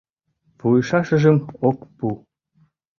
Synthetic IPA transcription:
pujɤʃɑʃə̆ʒəmokpu

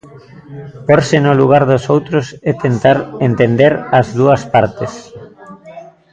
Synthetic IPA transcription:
poɾsɪnʊluɣ̞aɾðosowt̪ɾosɛt̪ʰent̪aɾent̪end̪eɾɐzðuɐspaɾt̪es

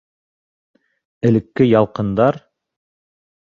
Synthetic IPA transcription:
ɘ̆lɘ̆kːɘjɑlˠqɤ̆nd̪ɑɾ

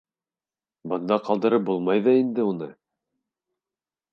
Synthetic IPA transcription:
bɤ̆nd̪ɑqɑlˠd̪ɤ̆ɾɤp̚bulˠmɑjðɑind̪ɘunɤ

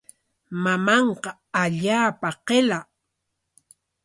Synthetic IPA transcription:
mamɑɴqɑ | aʎaːpaqela

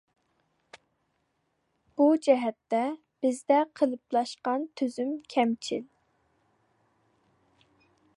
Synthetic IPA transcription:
b̥ud͡ʒɛɦɛt̪ːɛ | b̥ɪzd̪ɛqʰəlˠɨplˠɑʃqɑnt̪ʰøzymkʲʰɛmt͡ʃʰil

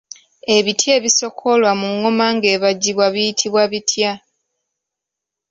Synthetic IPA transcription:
e̞βitje̞ːβiso̞kʰo̞lwamuŋːomaŋɡe̞ːβaɟːiβwaβijitʰiβwaβitʰja

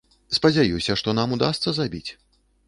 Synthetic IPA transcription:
spɐd͡zʲajusʲɐʂt̪ɔnamud̪ast̪sɐzabʲḭt͡sʲ

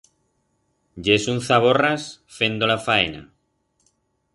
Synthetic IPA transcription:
ɟ͡ʝesun̟θaβ̞orasfe̞nd̪olafaena̰

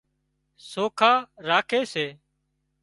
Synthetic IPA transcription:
soːkʰaːɾaːkʰeːseː

